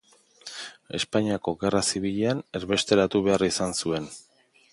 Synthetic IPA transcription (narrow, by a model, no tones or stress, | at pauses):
e̞spaɲiako̞ɣe̞rasiβiʎeane̞ɾβe̞st̪e̞ɾat̪uβ̞e̞arisansue̞n